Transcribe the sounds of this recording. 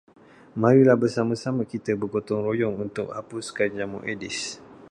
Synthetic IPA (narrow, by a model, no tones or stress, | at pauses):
mãɾilahbərsamãsamãkit̪əbərɡot̪ɔŋrojɔŋunt̪ʊk̚hapuskaɲd͡ʒamṵʔedis